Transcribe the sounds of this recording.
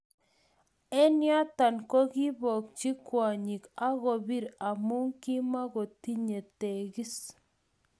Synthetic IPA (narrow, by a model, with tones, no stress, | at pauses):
e˦nja˦t̪a˨nkɔ˦ɣi˦βɔ˨k̚t͡ʃi˦kwa˨ɲi˨ka˦ɣo˨βi˦ɾa˨mu˦ŋki˦ma˦ɣo˨ti˦ɲe˨te˨ɣi˦s